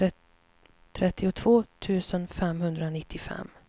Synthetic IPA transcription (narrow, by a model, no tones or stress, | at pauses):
t̪ʰɾɛt̪ːɪʊt̪ʰvoːt̪ʰʉ̟ːsənfɛmhɵnd̪ɾanɪt̪ʰːɪfɛ̰mː